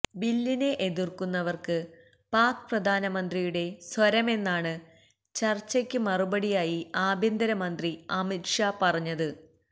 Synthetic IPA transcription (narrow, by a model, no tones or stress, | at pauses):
bilːine̞ʔeðirkunːɐʋɐrkɨ | paːkɨprɐd̪ʱaːnɐmɐnd̪rijuɽe̞swɐɾɐme̞nːaːɳɨ | t͡ɕɐrt͡ɕːɐkʲːɨmɐrubɐɽijaːjiaːbʱind̪ɐɾɐmɐnd̪riɐmiʈʂapɐrɐɲːɐðɨ